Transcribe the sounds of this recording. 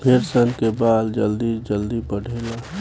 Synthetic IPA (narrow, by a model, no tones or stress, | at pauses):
bʰʱeɾsənkebaːd̪d͡ʒəld̪id͡ʒəld̪ibəɽʱeːla